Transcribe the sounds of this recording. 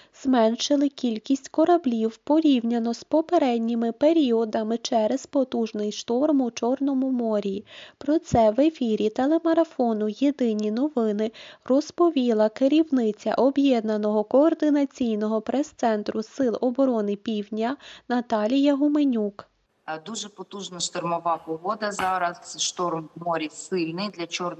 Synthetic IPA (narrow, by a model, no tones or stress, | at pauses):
z̥mɛnʃɪlˠɪkʲilʲkʲisʲtʲkɔɾɐblʲiwpɔɾʲiwnʲɐnɔspɔpeɾɛdʲnʲimɪpeɾʲiɔd̪ɐmɪt͡ʃɛɾezpɔt̪uʒnɪjʃt̪ɔrmʊt͡ʃɔrnɔmʊmɔɾʲiipɾɔt̪sɛʋefʲiɾʲit̪elˠemɐɾɐfɔnʊjed̪ɪnʲinɔʋɪnɪrɔspɔʋʲilˠɐkɪɾʲiwnɪt͡sʲɐ̰ʔɔbjɛd̪nɐnɔɦɔkɔːrd̪ɪnɐt͡sʲijnɔɦɔpɾɛst̪sɛnt̪ɾʊsɪlˠɔbɔɾɔnɪpʲiwdʲnʲɐnɐt̪ɑlʲijɐɦʊmenʲuk | d̪uʒɛpɔt̪uʒnɐʃt̪ɔrmɔʋɑpɔɦɔd̪ɐzɑɾɐsʃt̪ɔrmːɔɾʲisɪlʲnɪjd̪lʲɐt͡ʃɔ